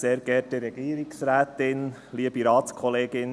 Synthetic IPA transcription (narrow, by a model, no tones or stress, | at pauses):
seːɾɡɛːdɪɾɛɡ̥iːɾiksɾæːt̪ɪn | liəb̥iɾɑːtskʰɔleːɡɪn